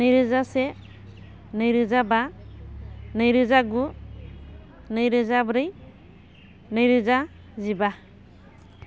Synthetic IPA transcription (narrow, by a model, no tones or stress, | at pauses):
nɯjɾɯzasɛ | nɯjɾɯzaba | nɯjɾɯzaɡu | nɯjɾɯzabɾɯj | nɯjɾɯza | ziba